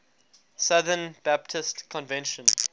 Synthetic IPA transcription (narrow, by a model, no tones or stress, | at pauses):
saðənb̥æp̚tʰɪstkʰɔ̃nvɛ̃nʃə̃n